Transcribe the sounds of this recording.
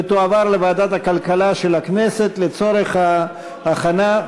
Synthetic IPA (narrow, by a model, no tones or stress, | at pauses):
et̪oavaʁlevaːdat̪hakalkalaʃe̞laknese̞t̪le̞t͡so̞ʁe̞χhaː | χana